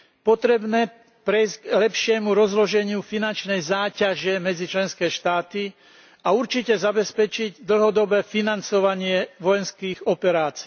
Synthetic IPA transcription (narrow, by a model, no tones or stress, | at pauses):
pɔt̪ɾɛbnɛː | pɾɛjzɡlɛpʃɪɛmuɾɔzlɔʒɛɲɪufinant͡ʃnɛjzaːcaʒɛmɛd͡zit͡ʃlɛnskɛːʃt̪aːt̪i | auɾt͡ʃicɛzabɛspɛt͡ʃiɟd̪l̩ɦɔd̪ɔbɛːfinant͡sɔʋaɲɪɛʋɔjɛnskiːɣɔpɛɾaːt͡si